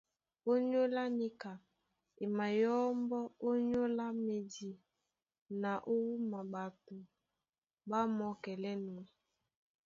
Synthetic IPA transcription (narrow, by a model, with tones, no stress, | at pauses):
o˦ɲo˦la˦ni˦ka˨ | e˨ma˨jɔ˦mbɔ˦o˦ɲo˦la˦me˨di˨ | na˨ʔo˦wu˦ma˨ɓa˨to˨ | ba˦mɔ˨˦kɛ˨lɛ˦nu˨ɛ˨